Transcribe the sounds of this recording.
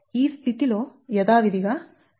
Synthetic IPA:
iːst̪ʰit̪iloːjɐd̪aːʋid̪iɡa

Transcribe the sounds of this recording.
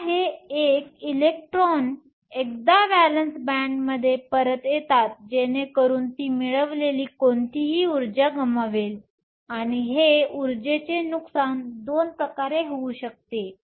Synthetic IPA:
ɦeekilek̚ʈɾon | ek̚d̪abælənsbæɳɖməd̪ʱːjepəɾət̪jet̪at̪̚d͡ʑenekəɾuːnt̪iːmiɭəʋleliːkont̪iɦiːuɾd͡ʑaɡəmaʋel | aɽ̃iɦeuɾd͡ʑet͡ɕenuksand̪onpɾəkaɾeɦeuɕək̚t̪e

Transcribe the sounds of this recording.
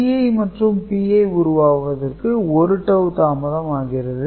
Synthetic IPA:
iɐɪmɐʈrɯmpiːɐʊɾʊʋaːʋɐðɐrkɯɔɾɯʈːɐʋt̪aːmɐðɐmaːɣɪrɐðɯ

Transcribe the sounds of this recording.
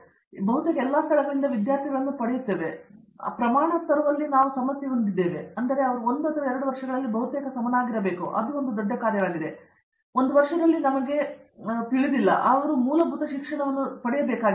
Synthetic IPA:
bɐɦut̪ekɐɛlːaːst̪ʰɐɭɛɡɐɭind̪ɐʋid̪jaːɾt̪ʰiɡɐɭɐnːupɐɽejut̪ːe̞ːʋe̞̰ | pɾɐmaːɳɐt̪ɐɾuʋɐlːinaːʋusɐmɐsjɐond̪id̪ːe̞ːʋeɐnd̪ɐɾe̞ɐʋɐɾuo̞nd̪ɐt̪ɐɾɐɛɾɐɽuʋɐɾʂɐɡɐɭɐlːibʱɐɦut̪eːkɐsɐmɐnaːɡiɾɐbe̞ːkuʔɐ̰d̪uond̪ud̪ɔɖːɐkaːɾjɐʋaːɡid̪e̞ | ond̪uʋɐɾʂɐd̪ɐlːinɐmɐɡe̞t̪iɭid̪ilːɐ̰ʔɐʋɐɾumuːlɐbʱut̪ɐʃikʂɐɳɐʋɐnːupɐɽɛjɐbeːkaːɡ

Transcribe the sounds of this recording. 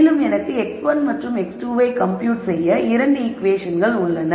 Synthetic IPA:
lɯmɛnɐkːɯɛksʋɐnmɐʈrɯmɛksʈuːʋɐɪkɐmpjuːʈsɛjːɐɪɾɐɳɖɯɪkʋeːʂɐnɡɐɭʊɭːɐnɐ

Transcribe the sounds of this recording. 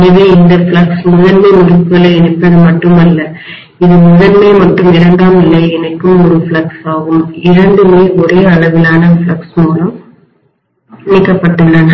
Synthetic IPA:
nɐʋeːɪnd̪ɐfɭɐksmʊðɐnmɐɪmʊɾɯpːɐlɐɛnɪpːɐðɯmɐʈːɯmɐlːɐ | ɪðɯmʊðɐɾmeːmɐʈːɯmɪɽɐŋɡ̪aːmɪlːɐɛnɐkːɯmɔɾɯfɭɐksaːɣɯmɪɾɐɳɖɯmeːɔɾeːɐɭɐʋɪlaːnɐfɭɐksmuːlɐm | nɪkːɐpːɐʈːɯlɐn

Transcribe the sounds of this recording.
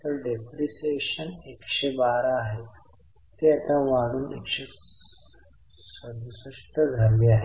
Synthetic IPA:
t̪əɾɖepɾiseɕənekɕebaɾaːɦe | t̪eat̪aʋaɽ̃uːnḛkɕe | səd̪səʂʈəd͡zʱəɾʋeaɦe

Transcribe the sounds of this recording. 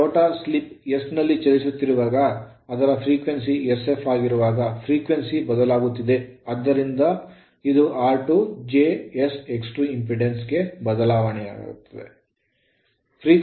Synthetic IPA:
oːʈaːslipjesnɐlːit͡ʃɐlisut̪ːiɾuʋaːɡɐː | d̪ɐɾɐpʰɾiːkʋensiese̞fʰaːɡiɾuʋaːɡɐpʰɾiːkʋensibɐd̪ɐlaːɡut̪ːid̪e̞ɐd̪ːɐɾind̪ɐ | id̪uʔaːɾʈud͡ʒeːeseksʈuimpɾiɖensɡe̞bɐd̪ɐlaːʋɐɳɛja̰ːɡḭɾṵt̪ːɐd̪ḛ | pʰɾiːk

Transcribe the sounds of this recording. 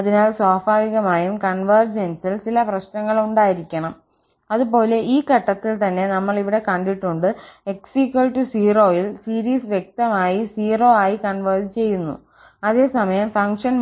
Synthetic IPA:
ɐðinaːlsoːfaːʋiɣɐmaːjumkɐɳʋɐrd͡ʑensilt͡ɕilɐprɐɕnɐŋːɐɭuɳɖaːjiɾikʲːɐɳɐm | ɐðupo̞ːle̞ʔiːkɐʈːɐt̪ːilt̪ɐnːe̞nɐmːɐɭiʋiɽe̞kɐɳɖiʈːuɳɖɨe̞ksikːɐlʈusiːro̞ːjilsiːɾiːsʋjek̚t̪ɐmaːjisiːro̞ːaːjikɐɳʋɐrd͡ʑt͡ɕe̞jːunːṵ | ɐðe̞ːsɐmɐjɐmfɐŋkʂɐn

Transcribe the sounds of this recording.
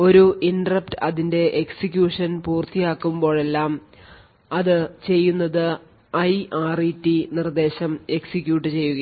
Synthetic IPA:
o̞ɾuʔinɖrɐp̚tɨɐðinde̞ʔeksikʲjuːʂɐnpuːrt̪ijaːkːumbo̞ːɭe̞lːaːm | ɐðɨt͡ɕe̞jːunːɐðɨ | ɐjaːritːinird̪e̞ːɕɐme̞ksikʲjuːʈːɨt͡ɕe̞jːuɣɐ

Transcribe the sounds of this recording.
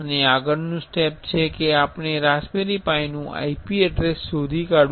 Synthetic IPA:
əneaɡəɾnũsʈep̚t͡ʃʰekeapɳ̃eɾaspeɾipainũʔa̰ipiɛɖɾesːod̪ʱikaɽ

